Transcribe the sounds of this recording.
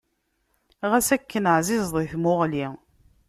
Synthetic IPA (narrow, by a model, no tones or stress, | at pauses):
ʁæsækːənʕzɪzˤðˤiθmʊʁli